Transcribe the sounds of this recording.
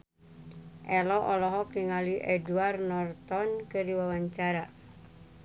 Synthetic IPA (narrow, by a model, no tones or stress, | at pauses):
ʔɛlɔʔɔlɔɦɔkiŋaliʔɛduarnɔrt̪ɔnkɨrdiwawaɲt͡ʃaɾa